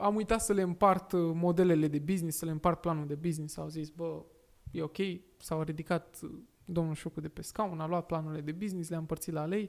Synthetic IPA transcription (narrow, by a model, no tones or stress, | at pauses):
amujt̪at̪səle̞ɨmpart̪mo̞d̪e̞le̞le̞d̪e̞biznissəleɨmpart̪̚planuld̪e̞biznisawzisbə | je̞o̞kʲe̞j | sawɾid̪ikat̪ | d̪o̞mnulʃukud̪e̞pe̞skaunaloat̪̚planurile̞d̪e̞biznisleaɨmpərt̪sit̪lalej